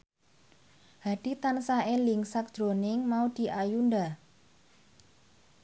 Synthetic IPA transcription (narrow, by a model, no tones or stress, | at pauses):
had̥it̪ansaʔeliŋsak̚d̥ʒ̥ɾonɪŋmaud̪̥i̤ʔajunda